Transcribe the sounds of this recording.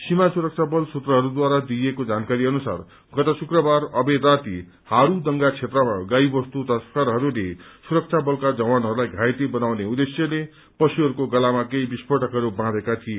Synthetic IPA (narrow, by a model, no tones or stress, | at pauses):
simasuɾʌk̚t͡sʰabʌlsut̪rʌɦʌɾud̪waɾad̪ijekod͡zankaɾiʌnusa̰r | ɡʌt̪ʌsukrʌbarʌbeɾat̪i | haɾud̪ʌŋɡat͡sʰet̪rʌmaɡaibʌst̪ut̪ʌskaɾɦʌɾulesuɾʌk̚t͡sʰabʌlkad͡zʌwanɦʌɾulajɡʱajt̪ebʌnawneud̪esjʌle | pʌsuɦʌɾukoɡʌlamakejbispʌʈʌkɦʌɾubãd̪ekat̪ʰije